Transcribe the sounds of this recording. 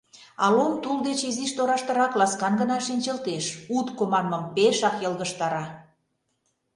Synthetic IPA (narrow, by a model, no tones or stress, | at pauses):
ɑlomt̪uld̪et͡ɕiziʃt̪oɾɑʃt̪ə̆ɾɑklɑskɑnɡə̆nɑʃinʲt͡ɕəlt̪eʃut̪komɑnmɤ̆mpeʃɑkjəlˠɣəʃt̪ɑɾɑ